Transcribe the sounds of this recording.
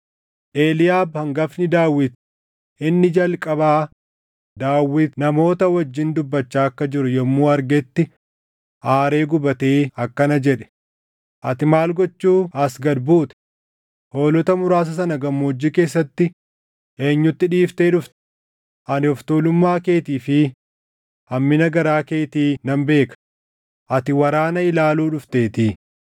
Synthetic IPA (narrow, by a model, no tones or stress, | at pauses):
ʔeːlɪjaːbhɐŋɡɐfnɪd̪aːwːɪt̪ | ɪnːɪd͡ʒɐlkʼɐbaː | d̪aːwːɪt̪nɐmo̞ːt̪ɐwɐd͡ʒːɪnd̪ʊbːɐt͡ʃːaːɐkːɐd͡ʒɪɾʊjɔmːuːɐɾɡɛt̪ːɪ | ʔaːɾe̞ːɡʊbɐt̪eːɐkːɐnɐd͡ʒɛᶑɛ̥ | ʔɐt̪ɪmaːlɡɔt͡ʃːuːɐsɡɐd̪buːt̪ɛ̥ | ho̞ːlɔt̪ɐmʊɾaːs̬ɐsɐnɐɡɐmːoːd͡ʒːike̞ːsːɐt̪ːɪ | ʔe̞ːɲːʊt̪ːɪᶑiːft̪e̞ːᶑʊft̪ɛ̥ | ʔɐnɪɔft̪oːlʊmːaːke̞ːt̪iːfɪ | ɐmːɪnɐɡɐɾaːke̞ːt̪iːnɐmbe̞ːkɐ̥ | ʔɐt̪ɪwɐɾaːnɐɪlaːluːᶑʊft̪e̞ːt̪ɪ